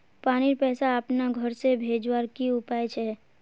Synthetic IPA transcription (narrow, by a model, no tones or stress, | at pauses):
paːniɾpɛːsaəpnaɡʱəɾsebʱeːd͡ʒwaːɾkiʊpaːjt͡ʃʰɛ